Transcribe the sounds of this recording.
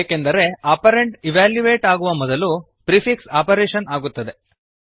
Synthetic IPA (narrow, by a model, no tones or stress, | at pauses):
kend̪ɐɾe̞aːpɐɾeɳʈiʋaːljuʋeːʈaːɡuʋɐmɔd̪ɐlu | pɾifʰiksaːpɐɾeːʃɐnaːɡut̪ːɐd̪e